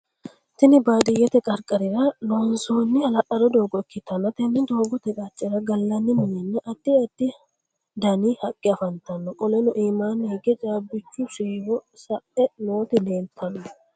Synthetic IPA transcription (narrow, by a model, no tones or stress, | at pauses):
t̪ɪnɪbaːd̪ɪjːɛt̪ɛkʼɐɾkʼɐɾɪɾɐlonsoːnːɪɐlɐʔɐɾɔd̪o̞ːɡɔɛkːɪt̪ːɐnːɐt̪ɛnːɪd̪o̞ːɡɔt̪ɛkʼat͡ʃʼːɪɾɐɡɐlːɐnːɪmɪjɛnːɐʔɐt̪ːɪɛt̪ːɪ | d̪ɐnihɐkʼːɪɐfɐnt̪ɐnːɔkʼɔlɛnɔʔiːmaːneɡɛt͡ʃʼaːbɪt͡ʃːʊʃiːwɔsɐʔɛnoːt̪ɪleːnt̪ʰːɐnːɔ